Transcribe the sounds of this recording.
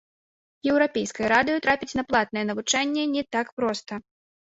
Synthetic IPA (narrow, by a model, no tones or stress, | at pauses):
jɛwɾapʲɛjskɐjɐɾad̪ɨjɐt̪ɾapʲit͡sʲnɐplˠat̪̚nɐjɛnɐvut͡ʂanʲːɛnʲɛt̪akpɾɔst̪ɐ